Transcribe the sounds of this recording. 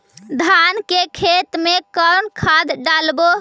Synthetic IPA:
d̪ʱankekʰet̪mekəɾnkʰad̪ɖalbo

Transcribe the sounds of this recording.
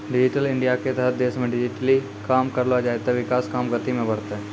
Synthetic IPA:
ɖɪd͡ʒɪʈəlɪ̃ɳɖijaket̪əɦət̪̚d̪eːʃmẽɖɪd͡ʒɪʈəli | kaːmkɐɾlad͡ʒaːet̪aʋɪkaːskaːmɡət̪imẽbɐɽt̪aɦɛː

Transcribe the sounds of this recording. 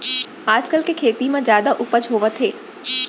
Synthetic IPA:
aːd͡ʒkəlkekʰeːt̪imãzjaːd̪aʔʊpəd͡ʒɦoːʋət̪ʰɦeː

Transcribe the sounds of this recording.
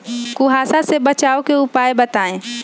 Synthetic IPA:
kʊɦaːsasebət͡ʃaːokeʊpaːebət̪aːẽː

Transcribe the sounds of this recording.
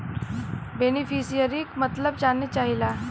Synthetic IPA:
benifisijəɾiːkmət̪ləbd͡ʒanːət͡ʃaɦila

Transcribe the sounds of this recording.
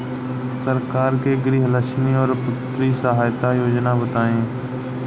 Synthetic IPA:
səɾkaːɾkeːɡɾiːɦələʃniːɔːɾpʊt̪ɾiːsəɦaːjt̪ajoːd͡ʒnabət̪aːẽː

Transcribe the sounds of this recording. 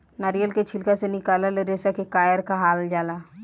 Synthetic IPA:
naɾijəlket͡ʃʰɪlkasenɪkaːlaleɾesakekaːjəɾkaɦaːld͡ʒaːla

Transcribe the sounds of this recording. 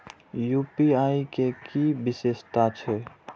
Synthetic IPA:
juːpiaːikekibɪseːʃt̪at͡ʃʰɛ

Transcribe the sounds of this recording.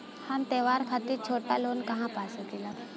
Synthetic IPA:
hamt̪eʋaɾkʰat̪iːɾt͡ʃʰoʈalonkɐɦãpasət̪ila

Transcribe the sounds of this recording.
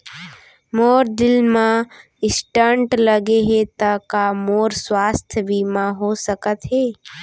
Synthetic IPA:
moːɾd̪ɪlmã | ɪsʈəɳʈləɡeɦet̪əkamoːɾswaːst̪ʰjəbiːmãɦosəkət̪ɦeː

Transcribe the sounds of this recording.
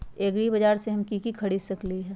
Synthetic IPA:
eːɡɾibɐd͡ʒaːɾseɦɐmkikikʰɐɽiːsɐkliɦɛ̃ː

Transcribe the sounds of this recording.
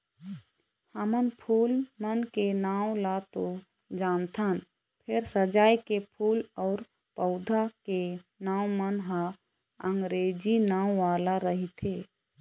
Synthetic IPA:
həmənpʰuːlmənkenãːw̃lat̪o | d͡ʒaːnt̪ʰən | pʰɪɾsəd͡ʒaːikepʰuːlɔːɾ | pəʊd̪ʱakenaːw̃mənɦa | əŋɡɾeːd͡ʒinaːw̃ʋaːlaɾəɦit̪ʰe

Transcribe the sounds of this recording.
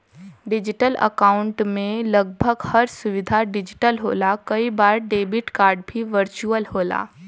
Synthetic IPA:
ɖɪd͡ʒɪʈələ̰kaːʊ̃ɳʈmẽlɐɡ̚bʱəɡhɐɾsʊʋɪd̪ʱaɖɪd͡ʒɪʈəlɦo̰ːlakɐibaːɾɖeːbɪʈkaːɾɖbʱiʋəɾt͡ʃuəlhoːla̰ː

